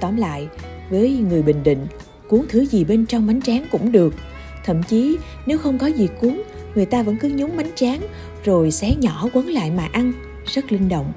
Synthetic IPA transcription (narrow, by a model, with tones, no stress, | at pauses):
t̪ɔ˧˩mla̰ː˧˨j | vəː˨˦jŋɨ˨˩əjɓï˧˨ŋ̟ɗḭ̈˧˨ŋ̟ | ku˨˦əŋt̪ʰɨ˨˦zi˨˩ɓe˧nt͡ɕɔ˧wŋ͡mma˨˦jŋ̟t͡ɕaː˨˦nkʊ̰˧˥ŋ͡mɗɨ˨˩ək̚ | t̪ʰə̰˧˨mt͡ɕi˨˦ | ne˨˦wxə˧wŋ͡mkɔ˨˦zi˨˩ku˨˦əŋ | ŋɨ˨˩jt̪aː˧və̰˧˥nkɨ˨˦ɲʊ˨˦ŋ͡mma˨˦jŋ̟t͡ɕaː˨˦ŋ | zo˨˩jsɛ̰˧˥ɲɔ˧˩kwə˨˦nla̰ː˧˨jmaː˨˩ʔa˧n | zə˦˥t̚lï˧ŋ̟ɗo̰˧˨wŋ͡m